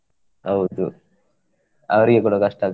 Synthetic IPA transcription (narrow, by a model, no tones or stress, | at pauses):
hɐwud̪u | ɐʋɐɾiɡekuːɽɐkɐʂʈaːɡ